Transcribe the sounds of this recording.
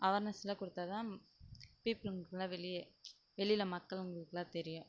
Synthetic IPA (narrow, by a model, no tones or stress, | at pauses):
ʔɐʋɐɾnɐsɪlɐkʊɽɯt̪ːaːt̪ãː | piːpɪlʊŋɡɐkːɯlãːʋɛlɪjɛ | ʋɛɭɪjlɐmɐkːɐɭʊŋɡɐɭɯkːɯlãːt̪ɛɾɪjʊ̃